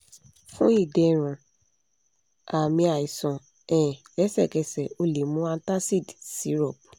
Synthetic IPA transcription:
fũ˦i˦˨dɛ˧˨ɾ̃ũ˨ | a˨mĩ˧a˨i˨sɔ̃˨ | ɛ̃˨lɛ˨˦sɛ˦˨kɛ˧sɛ˨o˧le˨˦mũ˦ã˧n˦ta˦si˦˨dsi˨˦ɾɔ˦˨b

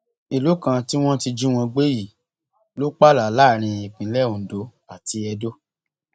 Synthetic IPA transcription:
i˨lu˨˦kã˧ti˦w̃ɔ̃˦ti˧d͡ʒũ˦w̃ɔ̃˧ɡ͡be˦ji˨ | lo˦k͡pa˦˨la˨la˦˨ɾ̃ĩ˧i˨k͡pĩ˨˦lɛ˦ũ˨do˨˦ | a˦˨ti˧ɛ˧do˦

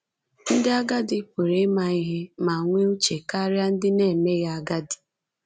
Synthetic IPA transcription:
n̩˦dɪ˦a˦ɡa˦dɪ˨pu˨ɾe˦ma˨i˦ɦe˦ma˨ŋʷe˦o˦t͡ʃe˨ka˦ɾja˦n̩˦dɪ˦ne˦˨me˦ɣa˨a˦ɡa˦dɪ̥˨

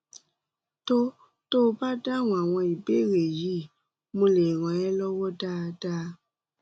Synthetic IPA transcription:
to˦ | to˦˧ba˦da˦˨wũ˧˨a˨w̃ɔ̃˧i˨be˦˨ɾe˨ji˨˦ | mõ˧le˨ɾ̃ɔ̃˨ɛ˦lɔ˦wɔ˦da˦˧da˦

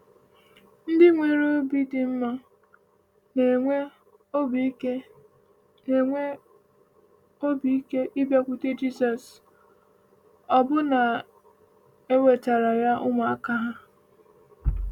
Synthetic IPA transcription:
n̩˦dɪ˦ŋʷe˨ɾo˦bi˦dɪ˨m̩˦ma˦ | e˨e˦ | be˦ | e˨ŋʷe˦ | o˦bi˦i˦ke˦ʔi˦bja˦kʷu˦te˦d͡ʒi˦sɔ˨s | ɔ˨bʊ˦na˨ | e˦we˨ta˨ɾa˨ja˦ʔʊ˦ma˨a˦˨ka˦ɦa˦

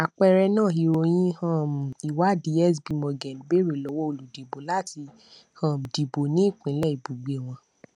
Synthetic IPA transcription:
a˨k͡pɛ˧ɾɛ˧nãː˦˨ɦi˧ɾo˧j̃ĩ˦hã˦˨m˨i˨wa˨˦di˧ɛ˦˨sbi˨˧mɔ̃˧˨ɡɛ̃˨n˨be˦ɾe˨lɔ˨˦wɔ˦o˧˨lu˨di˨bo˨˦la˦ti˧ | hã˦˨m˨di˨bo˨nĩ˨˦˨k͡pĩ˨˦lɛ˦˨i˨bu˨ɡ͡be˨˦˨w̃ɔ̃˧

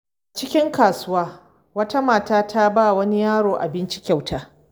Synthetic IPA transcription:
t͡ʃɪ˦kʲɪ˦ŋkaː˨sʊ˦waː˦ | wɐ˦ta˦maː˨taː˦tʰa˦baː˦˨wɐ˦ni˦jaː˦ɽoː˨ʔa̰˨bɪ˦nt͡ʃɪ˦kʲa˨wtʰaː˦

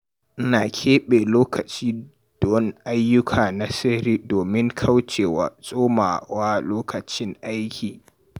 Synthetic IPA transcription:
ʔnaː˨kʲʰeː˦ɓeː˨loː˦kʰɐ˨t͡ʃiː˦ | d̥o˨˦n˦ʔa˦jːʊ˦kʰaː˨na˦sɪ˦ɾiː˦doː˨mɪ˦ŋkʰa˦wt͡ʃeː˨wa̰ː˦sʼoː˦maː˨waː˦loː˦kʰɐ˨t͡ʃɪ˦ŋʔa˦jkʲʰiː˨

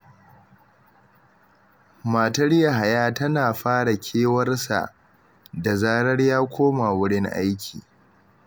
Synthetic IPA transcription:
maː˨tɐ˦ɽja˨ɦa˨jaː˦tɐ˦naː˨ɸaː˦ɽa˨kʲʰeː˦wɐ˦rsa̰˨ʔ | da˨zaː˦ɽɐ˦rjaː˦kʷʰoː˦ma˨wʊ˦ɽɪ˦ŋʔa̰˦jkʲʰḭː˨

